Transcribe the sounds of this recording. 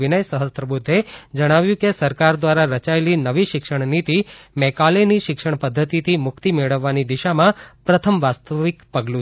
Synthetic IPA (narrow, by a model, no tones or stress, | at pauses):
inəjsəɦəst̪ɾəbud̪ʱːed͡ʒəɽ̃aʋjũkesəɾkaɾd̪ʋaɾaɾət͡ʃaelinəʋiʃɪkʂəɳ̃nit̪imɛkaleniʃɪkʂəɳpəd̪ʱːət̪it̪ʰimʊkt̪imeɭəʋːanid̪iʃamãpɾət̪ʰəmʋast̪əʋikpəɡlũ